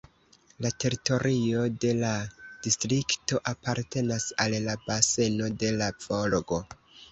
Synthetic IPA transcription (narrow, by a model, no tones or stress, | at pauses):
late̞ɾito̞ɾio̞de̞lad̥istɾikto̞ʔapaɾte̞nasalːabase̞no̞de̞lafolɡo